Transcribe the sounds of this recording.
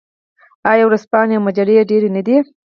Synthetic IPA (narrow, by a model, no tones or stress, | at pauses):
ɑjɑwɾaspɑneawmad͡ʒaleɖeɾenəd̪i